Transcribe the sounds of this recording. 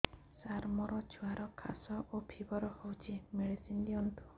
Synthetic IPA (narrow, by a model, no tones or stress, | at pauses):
saɾmɔɾɔt͡ʃʰuaɾɔkʰa̰sɔʔopʰibɔɾɔhowt͡ʃʰimeɭisindiɔnt̪u̥